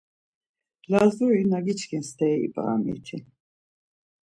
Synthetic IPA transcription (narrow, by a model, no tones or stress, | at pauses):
lazuɾinaɡit͡ʃʰkʰɛnst̪ʰɛːḭpʼa̰ːmḭt̪ʰi